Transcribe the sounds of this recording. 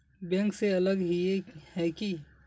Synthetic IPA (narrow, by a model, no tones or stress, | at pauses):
bɛ̃ŋkseɐləɡɦiehɛki